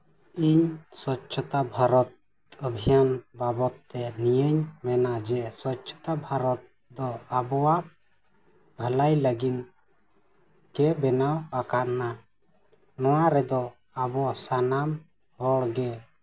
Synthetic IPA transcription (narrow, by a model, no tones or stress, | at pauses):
iɲsɔtːt͡ʃʰɔt̪abʱaɾɔt̪̚ | əbʱijanbabɔt̪ːɛnijəɲmɛnad͡ʒɛsɔtt͡ʃʰɔ̥t̪abʱaɾɔt̪̚ | d̪ɔabɔwaʔ | bʱalajləɡin | kɛbɛnawakaʔna | nɔwaɾɛd̪ɔ | abɔsanam | hɔɽɡɛ